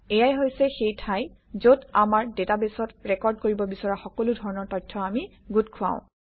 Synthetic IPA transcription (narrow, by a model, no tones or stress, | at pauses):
ɛjajɦojsɛxejtʰaj | zodamaɹdetabesɔtɹɛkɔɹdkoɹibɔbisɔɹaxɔkɔludʱɔɹɔnɔɹtɔjtʰːɔami | ɡutkʰʊã̰ʊ̃